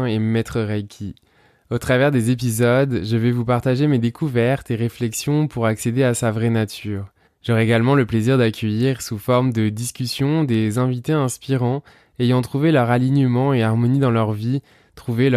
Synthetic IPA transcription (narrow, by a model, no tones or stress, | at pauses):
emɛt̪χəʁɛkʲʰi | ot̪χavɛʁd̪ezep̬izɔd̪ʒəvɛvupaʁt̪aʒemed̪ekʰuvɛʁt̪eʁeflɛksjɔ̃puʁaksed̪easavʁɛnat̪ʰyːʁ | ʒ̥ɔʁɛeɡalmɑ̃ləpleziʁd̪akʲʰəjiʁsufɔʁmd̪əd̪iskʲysjɔ̃d̪ezɛ̃vit̪eɛ̃spiʁɑ̃ | ejɑ̃t̪χuvelœʁaliɲəmɑ̃eaʁmɔnid̪ɑ̃lœʁvi | t̪χuvel